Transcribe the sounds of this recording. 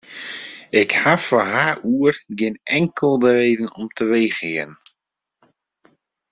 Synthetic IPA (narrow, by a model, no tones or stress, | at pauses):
ɪkhafaɦaʔuərɡɪnɛŋkʰəlˠdəɾeːdən̩ɔmtʰəʋejχɪən̩